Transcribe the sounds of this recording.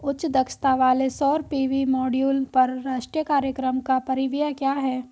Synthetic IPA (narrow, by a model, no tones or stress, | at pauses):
ʊtːʃd̪ɐkst̪aʋaːlesɔːɾpiːʋimɔːɖjuːlpɐɾːaːʃʈɾijəkaːɾjəkɾəmkapɐɾɪʋijakjaːɦɛː